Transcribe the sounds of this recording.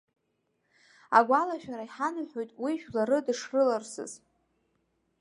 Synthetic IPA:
aɡʷalaʃᶣaɾaiħanɨħʷᶣojtʼwiʒᶣlaɾɨdɨʂrɨlarsɨ̰z̥

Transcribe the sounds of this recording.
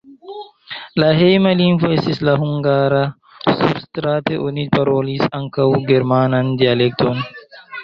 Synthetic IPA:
laɦejmalinvoestislaɦuŋɡaɾa | sṵbstɾateʔonipaɾolisaŋkawɡeɾmanandialek̚tʰon

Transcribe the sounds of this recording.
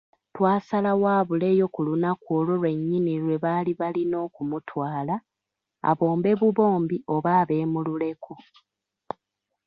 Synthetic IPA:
twaːsalawaːβule̞ːjo̞kulunakwoːlolwe̞ɲːiniɾwe̞βaliβalino̞ːkumutʰwaːla | a̰βo̞ːmbe̞βuβo̞ːmbiʔo̞βaːβe̞ːmulule̞kʰu

